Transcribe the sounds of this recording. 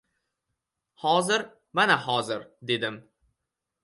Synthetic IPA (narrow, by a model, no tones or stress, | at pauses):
hɒzɪɾ | manahɒzɪɾd̪e̞d̪ɪm